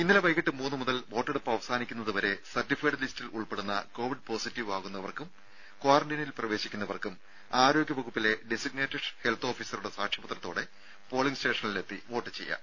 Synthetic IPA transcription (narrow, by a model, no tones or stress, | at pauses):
inːileʋɐjkiʈːɨmuːnːɨmuðɐlʋo̞ːʈːeɽupːɐɐʋɐsaːnikʲːunːɐðuʋɐɾe̞sɐrtːifikːɐʈlistiluɭpe̞ɽunːɐ̰ko̞ːʋiɖ̚po̞ːsitːiʋaːɣunːɐʋɐrkum | kwaːrɐɳɖinilprɐʋe̞ːɕikʲːunːɐʋɐrkum | aːɾo̞ːɡʲjɐʋɐɣupːile̞ɖesiɡ̚neːtːɐɖhelt̪ʰo̞ːfiːsɐruɽesaːkʂjɐpɐt̪rɐt̪ːo̞ːɽe̞ | po̞ːɭiŋste̞ːʂɐnile̞t̪ːiʋo̞ːʈːɨ̥t͡ɕe̞jːɐ̰